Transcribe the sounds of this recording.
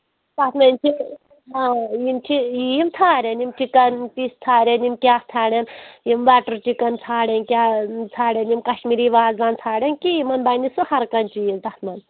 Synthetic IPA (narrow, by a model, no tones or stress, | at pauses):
t̪ɐt̪ʰmɐnt͡ʃʰi | ɦaːjimt͡ʃʰiimt͡sʰaːɾʲɐnjimt͡ʃikɐnpist̪ʰaːɾʲɐnimkʲaːst̪ʰaːɽʲɐnjimʋaːʈɐɾt͡ʃikɐnt͡sʰaːɽʲɐnkʲaːt͡sʰaːɽenjimkɐʃmiɾiʋaːzʋaːnt͡sʰaːɽʲenkijimɐnbɐnisuhɐɾkɐnt͡ʃʰijizt̪ɐt̪ʰmɐn